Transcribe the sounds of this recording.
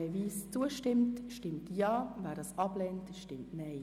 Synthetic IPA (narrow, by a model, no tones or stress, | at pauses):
ɛviːst͡suəʃtɪmtʃtɪmtjɑːvæːɾdɑːsɑb̥lɛːntʃtɪmtnɛɪ